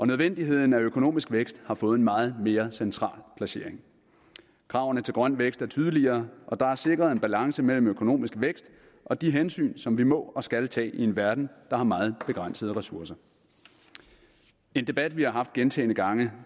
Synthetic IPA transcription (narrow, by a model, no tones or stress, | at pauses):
ʔɒ̽nøð̞ˠʋen̰d̥iɦe̝ð̞̰ˠn̩æøkʰo̝no̝̰ːmisɡ̥ʋeɡ̥sd̥hɑ̈fɔ̽ːð̩ˠnmɑ̈ːð̞̩ˠme̝ːɐsent͡sʰʁɑ̰̈ːlpʰlæse̝ɐ̰e̝ŋ | kʰʁɑ̈ʊnət͡sʰe̝lɡ̥ʁɶn̰ʋeɡ̥sd̥æɐt͡sʰyːð̞ˠəliɐːʔɒ̽d̥ɑ̈æɐse̝ɡ̥ʁɐðˠe̝nb̥ælɑ̈ŋsəmel̰m̩økʰo̝no̝̰ːmisɡ̥ʋeɡ̥sd̥ | ʔɒ̽d̥iɦensy̰ːnsɒ̽mʋimɔ̰̽ːɒ̽sɡ̥ælt͡sʰɛ̰ːie̝nʋæɐd̥n̩d̥ɑ̈hɑ̈mɑ̈ːð̞̩ˠb̥e̝ɡ̥ʁɑn̰səð̞̩ˠʁɛsuɐsɐ | e̝nd̥e̝b̥æd̥ʋihɑ̈ɦɑ̈fd̥ɡ̥ent͡sʰɛ̰ːɪnəɡ̥ɑ̈ŋə